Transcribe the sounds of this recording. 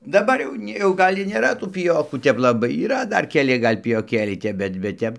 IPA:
dɐˈbɐr jɛʊ ˈnʲɪ jɛʊ ˈɡɐlʲ ɪr nʲeːˈrɐ tuː pʲɪˈjoːkuː ˈtʲɛp lˠɐˈbɐɪ iːˈrɐ ˈdɐr kʲɛˈlʲɪ ˈɡɐlʲ pʲɪjoːˈkʲeːlʲɛɪ ˈtʲɛp ˈbʲɛt bʲɛt ˈtʲɛp

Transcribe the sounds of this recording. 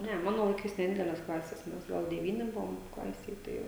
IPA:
ˈnʲɛ ˈmɑːnoː lˠɐɪˈkɐɪs nʲɛˈdʲɪdʲɛlʲɛs ˈklˠɑːsʲɛs ˈmʲɛs ˈɡɐlˠ dʲɛˈʋʲiːnʲɪ ˈbʊʋoːm ˈklˠɑːsʲeːj ˈtɐɪ

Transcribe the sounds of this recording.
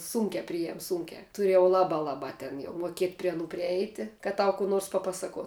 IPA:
ˈsuːŋʲkʲɛ ˈpʲrʲɪjɛm ˈsuːŋʲkʲɛ ˈtʊrʲeː jɛʊ ˈlˠɑːbɑː ˈlˠɑːbɑː tʲɛn jɛʊ muɔˈkʲiɛtʲ pʲrʲiɛ ɐˈnuː pʲrʲɪˈɛɪtʲɪ kɐt ˈtɐʊ kuː ˈnoːrs pɐˈpɑːsɐkuɔ

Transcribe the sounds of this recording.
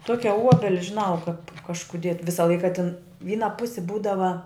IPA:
ˈtuɔkʲɛ ˈuɔbʲɛlʲɪ ʒʲɪˈnɐʊ kɐp kɐʃkʊˈdʲiɛ ˈʋʲɪsɐ ˈlˠɐɪkɐ tʲɪn ˈʋʲiːnɐ ˈpʊsʲɪ ˈbuːdɐʋɐ

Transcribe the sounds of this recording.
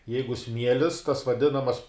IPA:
ˈjɛɪɡʊ ˈsʲmʲiɛlʲɪs tɐs ʋɐˈdʲɪnɐmɐs

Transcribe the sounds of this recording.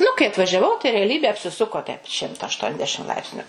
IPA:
nʊ kɐɪ ɐtʋɐʒʲɛˈʋɐʊ tɐɪ rʲɛɐˈlʲiːbʲeː ɐpʲsʲɪˈsʊkoː tʲɛɪp ˈʃʲɪmtɐ ɐʃtuɔnʲˈdʲæːʃʲɪm ˈlˠɐɪpʲsʲnʲʊ

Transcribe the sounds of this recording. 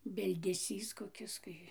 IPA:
bʲɪlʲdʲɛˈsʲiːs koːˈkʲɪs ˈkɐɪ

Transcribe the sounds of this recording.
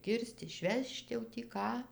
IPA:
ˈkʲɪrst ɪʃʲˈʋʲɛʃt jɛʊ tʲiː ˈkɑː

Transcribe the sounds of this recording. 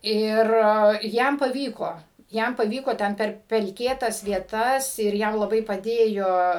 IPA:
ˈɪr ˈjɛm pɐˈʋʲiːkoː ˈjɛm pɐˈʋʲiːkoː ˈtʲɛn ˈpʲɛr pʲɛlʲˈkʲeːtɐs ʋʲiɛˈtɐs ɪr ˈjɛm lˠɐˈbɐɪ pɐˈdʲeːjoː

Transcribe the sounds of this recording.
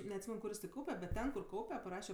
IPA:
nʲɛɐtʲˈsʲiːmʲɛn ˈkʊr jɪs tʲɛn ˈkɐʊpʲɛ bʲɛt ˈtʲɛn kʊr ˈkɐʊpʲɛ pɐˈrɑːʃʲɛ

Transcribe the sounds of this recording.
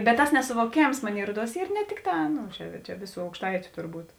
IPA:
bʲɛt tɐs nʲɛsʊʋoːˈkʲeːms ˈmoːnʲeːɪ ˈruɔˌduɔs ˈiːr nʲɛ ˈtʲɪkˌtɑː ˈnʊ t͡ʃʲɛ t͡ʃʲɛ ˈʋʲeːˌsuː ɐʊkʃˈtɐɪt͡ʃʲʊ tʊrˈbuːt

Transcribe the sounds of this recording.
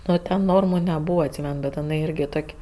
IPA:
ˈnʊ tʲɛn ˈnoːrmʊ nʲɛˈbuːʋɐ ɐtʲˈsʲiːmʲɛn bʲɛt ɪˈnɐɪ ˈɪrʲɡʲɪ ˈtoːkʲ

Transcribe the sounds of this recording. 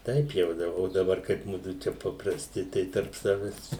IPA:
ˈtɐɪp jɛʊ ˈdɐ oː dɐˈbɐr kɐɪp ˈmʊdʊ ˈt͡ʃʲɛ pɐprɐsʲˈtʲɪ ˈtɐɪ tɐrp ˈsɑːʋʲɛs

